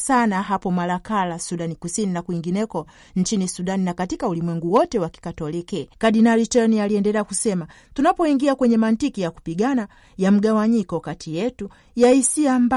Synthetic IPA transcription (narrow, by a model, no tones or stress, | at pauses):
sanaɦapɔmalakalasuɗanikusininakuiŋɡinɛkɔ | n̩t͡ʃinisuɗaninakatikaulimwɛŋɡuwɔtɛwaki̥katɔlikɛkaɗinalitɛnialiɛndɛlɛakusɛma | tunapɔiŋɡiakwɛɲɛmantikijaku̥piɡana | jam̩ɡawaɲikɔkatʰijɛtu | jaisiamba